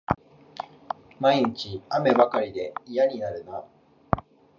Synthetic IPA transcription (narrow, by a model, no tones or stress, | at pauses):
maiɲit͡ɕiame̞bakaɾʲid̪e̞ijaɲ̟inaɾɯ̟na